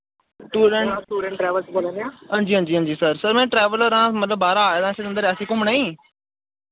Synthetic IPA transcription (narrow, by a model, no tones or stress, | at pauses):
ʈuːɖə̃ɳʈuːɖə̃ɳʈɾɛːʋəlt͡ʃboːlãnd̪eãːɦãːɲd͡ʒiːɦãːd͡ʒiːɦãːd͡ʒiːsəɾsəɾmɛ̃ːʈɾɛːʋələɾãːmət̪ləbːaːɾaːaːjaːd̪ãːseːə̃nd̪əɾɛːəsĩːkʊ̃mɳaːĩː